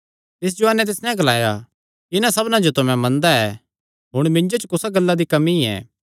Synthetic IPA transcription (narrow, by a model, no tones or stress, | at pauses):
t̪ɪs̬d͡ʒoanɛ̃t̪̬ɪsnɛ̃ɡɐlaːja̰ | ɪnãsɐbnãd͡ʒot̪ʊmɛ̃mɐ̃nd̪aɛ | ɦʊɽ̃mɪ̃ɲd͡ʒot͡ʃəkʊsaɡɐlːad̪ikɐmiɛ̰ː